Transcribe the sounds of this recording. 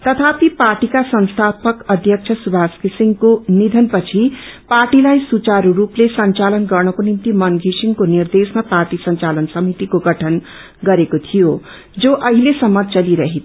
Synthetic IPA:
t̪ʌt̪ʰapiparʈikasʌnst̪ʰapʌkʌd̪ʱjʌk̚t͡sʰʌsubʱaskisiŋɡkonid̪ʱʌnpʌt͡sʰiparʈilajsut͡saɾuɾuplesʌnt͡salʌnɡʌrnʌkonint̪imʌnɡʱisiŋkonird̪esmaparʈisʌnt͡salʌnsʌmit̪ikoɡʌʈʰʌn | ɡʌɾekot̪ʰijo | d͡zoʔʌɦilesʌmːʌt͡sʌliɾʌɦi

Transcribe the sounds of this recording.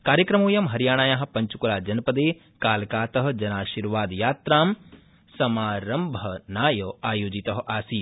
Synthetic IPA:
kaːɾjɐkɾɐmuːjɐmɦɐɾjaːɳaːjaɦɐ̆pɐɲt͡ʃukulaːd͡ʒɐnɐpɐd̪eː | kaːlkaːt̪ɐɦɐ̆d͡ʒɐnaːʃiːɾʋaːd̪jaːt̪ɾaːm | sɐmaːɾɐmbʱɐnaːjɐaːjoːd͡ʒit̪ɐɦɐ̆ʔaːsiː

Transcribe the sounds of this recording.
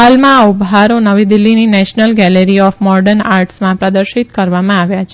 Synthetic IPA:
almãubɦaɾonəʋid̪ɪlːininɛʃnəlɡɛleɾiɔfmɔɖəɾnaɾʈsmãpɾəd̪əɾʃit̪kəɾʋamãaʋjat͡ʃʰe

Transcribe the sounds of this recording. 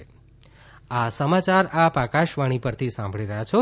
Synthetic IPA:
asəmat͡ʃaɾapakaʃʋaɽ̃ipəɾt̪ʰisãmbʱɭiɾəɦjat͡ʃʰo

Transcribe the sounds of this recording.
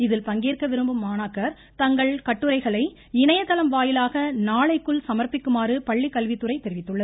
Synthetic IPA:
ɪðɪlpɐŋɡeːrkɐʋɪɾɯmbɯmːaːnaːkːɐɾ | t̪ɐŋɡɐɭkɐʈːɯɾɐɪɣɐɭɐɪ | ɪnɐjɐt̪ːɐlɐmʋaːjɪlaːɣɐnaːɭɐɪkːɯɭsɐmɐɾpɪkːɯmaːɾɯpɐɭːikːɐlʋɪt̪ːɯɾɐɪt̪ːɛɾɪʋɪt̪ːɯɭːɐðɯ

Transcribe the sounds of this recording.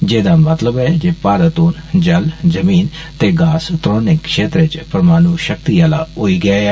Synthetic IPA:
d͡ʒeːd̪aːmət̪ləbɛːd͡ʒeːpaːɾət̪oːnd͡ʒəld͡ʒəmiːn | t̪eːɡaːst̪ɾoːnɪkːʃeːt̪ɾet͡ʃpəɾmaːnuːʃək̚t̪iːala̰ːɦoːiːɡəaː

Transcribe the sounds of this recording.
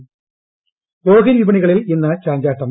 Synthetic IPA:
oːɣinʋibɐɳiɣɐɭilinːɐt͡ɕaːɲd͡ʑaːʈːɐm

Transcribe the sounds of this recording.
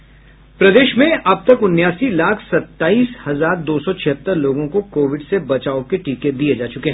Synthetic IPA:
pɾɐd̪eːʃmẽʔɐb̚t̪ɐkʊnːjaːsilaːkʰsɐt̪ːaːiːshɐzaːɾd̪oːsɔt͡ʃʰɪɦət̪ːəɾloːɡõkokoːʋɪɖsebɐt͡ʃaːokeʈiːked̪ied͡ʒaːt͡ʃʊkeɦɛ̃

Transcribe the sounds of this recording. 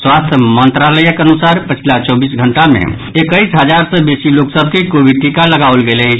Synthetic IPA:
swast̪ʰəmənt̪ɾaləjəkənusaɾpət͡ʃʰilat͡ʃɔbisɡʱəɳʈamḛ̃ | ekəjsɦəd͡ʒaɾsə̃besiloksəbʱkekobiʈikaləɡaolɡelɛ

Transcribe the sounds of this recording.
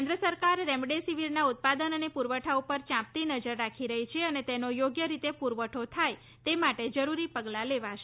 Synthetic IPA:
nd̪ɾəsəɾkaɾːɛmɖesiʋiɾnaut̪̚pad̪ənənepuɾʋəʈʰaupəɾt͡ʃãp̚t̪inəd͡ʒəɾːakʰiɾəɦit͡ʃʰeənet̪enojoɡjəɾit̪epuɾʋəʈʰot̪ʰaj | t̪emaʈed͡ʒəɾuɾipəɡlaleʋaʃe

